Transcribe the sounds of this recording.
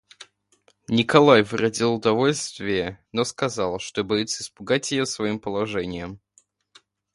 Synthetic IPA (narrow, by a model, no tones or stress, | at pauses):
nʲɪkɐlˠajvɨɾɐdʲilˠʊd̪ɐvo̞lʲst̪vʲɪjənoskɐzɑlˠəʂt̪obɐjit̪sːəɪspʊɡatʲjɪjosvɐimpəlˠɐʐɛnʲɪjəm